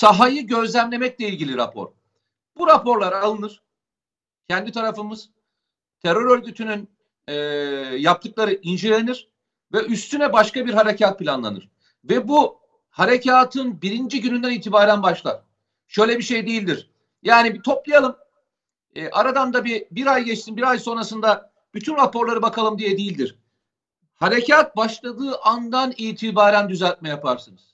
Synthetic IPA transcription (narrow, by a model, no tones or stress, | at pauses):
saɦajɯɟø̞zlʲæmlʲe̞mɛc̚lʲɛilʲɟilʲiɾa̰pʰo̞̰ɾ̥ | b̥uɾapʰo̞ɾlˠaɾalˠɯnɯɾ̥ | cʰɛnd̪it̪ʰaɾafɯmɯz̥ | t̪ʰɛɾøɾø̞ɾɟyt̪ʰynyn | ɛːjap̚t̪ʰɯklˠaɾɯʔind͡ʒilʲe̞niɾ̥ | vɛʔyst̪ʰynɛbaʃkabiɾɦaɾecʰat̪̚pʰilʲanlˠa̰nɯ̰ɾ̥ | vɛbu | haɾecʰaːt̪ʰɯnbiɾind͡ʒiɟynynd̪æniːt̪ʰibaːɾænbaʃlˠa̰ɾ̥ | ʃø̞jlʲɛbiʃe̞jd̪ejilʲd̪iɾ̥ | jaːnibit̪ʰo̞plˠajalˠɯm | ɛːʔaɾad̪and̪abibiɾajɟɛt͡ʃt̪ʰinbiɾajso̞nɾasɯnd̪a | b̥yt̪ʰynɾapo̞ɾlˠaɾɯbakʰalˠɯmd̪ijɛd̪ejilʲd̪iɾ̥ | haɾecʰaːt̪̚baʃlˠad̪ɯːʔand̪aniːt̪ʰibaːɾænd̪yzælʲt̪̚mɛjapʰaɾsɯnɯz̥